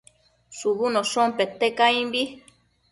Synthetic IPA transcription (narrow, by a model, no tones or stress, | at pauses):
suβunosompet̪ekaimbi